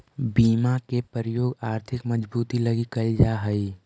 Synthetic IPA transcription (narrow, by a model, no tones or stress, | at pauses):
biːmakepəɾəjoːɡaːɾt̪ʰɪkməd͡ʒbuːt̪ilɐɡikɐid͡ʒaɦəi